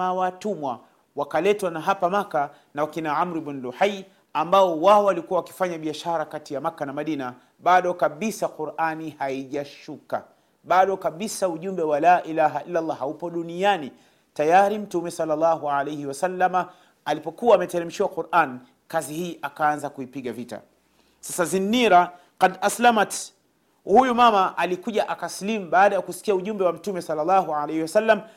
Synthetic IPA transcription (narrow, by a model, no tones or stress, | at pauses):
awatumwa | wakalɛtwanaɦapamaka | nawakinaamɾiɓinluħaj | ambaɔwaɔalikuwawaki̥faɲaɓiaʃaɾakatijamakanamaɗina | ɓaɗɔkaɓisaquɾʔanihaiʄaʃuka̰ | ɓaɗɔkaɓisauʄumbɛwalaːʔilaɦailːalˠˤːɑhaupɔɗuniani | tajaɾim̩tumɛsɑlːalːɑɦualejhiwasalːama | alipɔkuwaːmɛtɛɾɛm̩ʃiwaquɾan | kazihiːʔakaanzakuipiɠavita̰ | sasazinːiɾa | qadaslamat | hujumamaʔalikuʄaʔakaslimuɓaːɗajakusi̥kiauʄumbɛwam̩tumɛsɑlːalːɑɦualejhiwasalːam